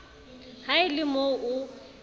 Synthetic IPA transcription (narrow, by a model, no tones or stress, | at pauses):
haɪlɪmoʊ